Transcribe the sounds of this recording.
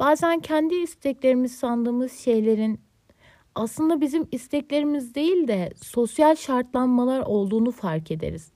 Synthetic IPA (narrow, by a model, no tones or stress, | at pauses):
b̥aːzæncʰænd̪iːst̪ʰɛclʲe̞ɾimizsand̪ɯːmɯz̥ʃe̞jlʲe̞ɾin | aslˠɯnd̪abizimist̪ʰɛclʲe̞ɾimizd̪e̞jilʲd̪ɛso̞sjalʲʃaɾt̪lˠanmalˠaɾo̞lˠd̪uːnufaɾkʰe̞d̪ḛɾiz̥